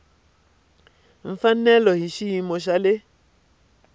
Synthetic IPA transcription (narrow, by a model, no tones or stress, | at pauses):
m̩fanɛlɔhiʃijimoʃ̬ale